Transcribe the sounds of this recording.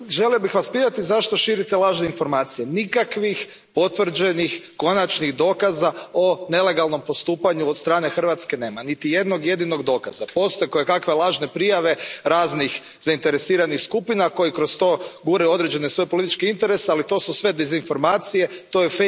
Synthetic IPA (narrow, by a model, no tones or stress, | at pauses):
ʒe̞lijobixʋaspit̪at̪izaʃt̪o̞ʃiːɾit̪e̞lˠaːʒne̞info̞ɾmaːt̪sijenikakʋix | po̞t̪ʋr̩d͡ʒe̞nixko̞nat͡ʃniɣd̪o̞ːkazao̞ne̞le̞ɡalˠno̞mpo̞st̪uːpaɲuod̪st̪ɾaːne̞xr̩ʋat̪ske̞ne̞ːmanit̪ije̞d̪no̞ɡje̞d̪ino̞ɡd̪o̞ːka̰zapo̞st̪ojekojekakʋe̞lˠaːʒne̞pɾijaʋe̞ɾaːznix | zaint̪e̞ɾesiːɾanixskupinako̞jikɾo̞st̪o̞ːɡuɾajuo̞d̪ɾe̞d͡ʒe̞nesʋo̞jepolit̪it͡ʃkeint̪eɾe̞sealit̪o̞ːsusʋe̞d̪ezinfo̞ɾmaːt̪sije̞t̪o̞jefe